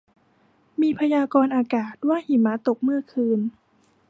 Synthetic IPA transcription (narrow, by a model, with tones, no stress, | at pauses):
miː˧pʰa˧jaː˧kɔː˧nʔaː˧kaː˨˩t̪̚waː˥˩hi˨˩˦maː˨˦˥t̪o˨˩k̚mɯ˥˩ɐkʰɯː˧n